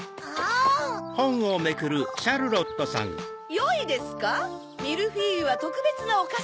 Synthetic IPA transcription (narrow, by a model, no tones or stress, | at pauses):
hahõ̞ŋ̃o̞me̞kɯ̟ɾɯ̟ɕaɾɯ̟ɾo̞t̪ːo̞sã̰ŋ | joid̪e̞sɨ̥ka | mʲiɾɯ̟ɸiːɾɯ̟βat̪o̞kɯ̟be̞t͡sɨnaoka